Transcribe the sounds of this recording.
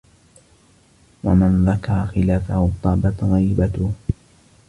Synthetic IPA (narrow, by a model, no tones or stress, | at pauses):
wamanðakɑɾˤɑxɪlaːfahʊt̪ˤɑːbat̪ɣajbat̪ʊh